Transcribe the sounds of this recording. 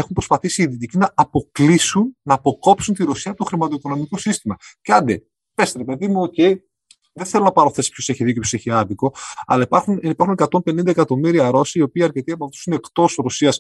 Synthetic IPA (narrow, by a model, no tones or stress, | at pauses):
exumpɾospɐθisiːðit̪icinɐːpo̞klisunːɐːpo̞ko̞psunt̪iɾo̞siɐot̪oxɾimɐt̪o̞iko̞no̞miko̞sist̪imɐceɐnd̪e | pesɾepe̞ðimuoce̞i | ðeθelo̞nɐpɐɾoθe̞si̥pço̞se̞çiðicopʰjʰose̞çiɐðiko̞ɐ̰lɐipɐxunipɐɾxunekɐt̪o̞mpe̞nind̪ɐekɐt̪o̞miɾiɐɾo̞siiːo̞piːɐɾce̞t̪iɐpɐt̪i̥sune̞kt̪o̞sɾo̞siɐs